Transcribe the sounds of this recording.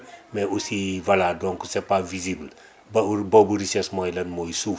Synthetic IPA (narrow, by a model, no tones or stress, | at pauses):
mɛʔusivɐladɔŋkusɛpavizibl | bbobuɾisɛsmɔjlɐnmɔjsu